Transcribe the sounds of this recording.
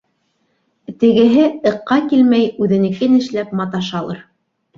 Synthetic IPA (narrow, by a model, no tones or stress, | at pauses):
t̪ɘ̆ɡɘ̆ɦɘɤ̆qːɑkilmæjʉðɘ̆nɘ̆kɘnɘ̆ʃlæp̚mɑt̪ɑʃɑlˠɤ̰ɾ